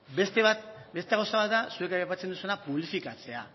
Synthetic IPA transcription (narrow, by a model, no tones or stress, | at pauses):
be̞st̪eβat̪be̞st̪eɣawsaβat̪̚d̪asue̞kajapat͡send̪usuenapuβlifikat͡se̞a̰